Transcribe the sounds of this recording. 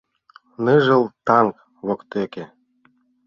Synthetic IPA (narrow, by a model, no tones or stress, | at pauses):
nɤʒɤ̆lˠt̪ɑŋk | βokt̪eke